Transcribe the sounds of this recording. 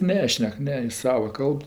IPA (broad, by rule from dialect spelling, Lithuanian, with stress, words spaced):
ˈnʲæːʃʲnʲɛk ˈnʲɛ jɪs ˈsɑːʋɐ ˈkɐlˠp